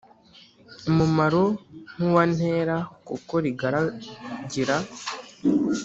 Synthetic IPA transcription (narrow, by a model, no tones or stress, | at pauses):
mumaɾon̥uwan̥he̞ːɾakuko̞ɾiɡaɾaɟiɾa